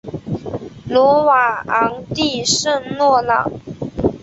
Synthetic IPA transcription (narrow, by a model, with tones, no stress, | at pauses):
lɔ˧˥wa˨˩ɑ˧˥ŋt̪i˥˧ʂə˥˧ŋlwɔ˥˩lɑ̰˨˩ŋ